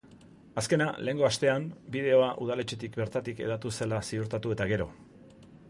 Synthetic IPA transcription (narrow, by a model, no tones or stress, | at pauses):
aske̞nale̞ːŋɡo̞ast̪e̞ambiðe̞o̞aʔuð̞ale̞t͡ʃe̞t̪ikbe̞ɾt̪at̪ike̞̰ðat̪use̞lasiuɾt̪at̪ue̞t̪aɣe̞ɾo̞̰